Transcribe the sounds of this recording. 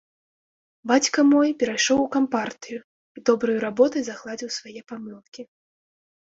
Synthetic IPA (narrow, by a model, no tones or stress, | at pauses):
bat͡sʲkɐmɔjpʲɛɾajʂɔwukampart̪ɨju | id̪ɔbɾɨjuɾabɔt̪ɨjzaɣlˠad͡zʲiwsvajɛpamɨlˠkʲi